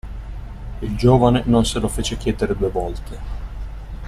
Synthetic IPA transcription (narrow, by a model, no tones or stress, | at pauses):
ild͡ʒoːvanenonselofeːt͡ʃekʲjɛːd̪eɾed̪uːevɔlt̪e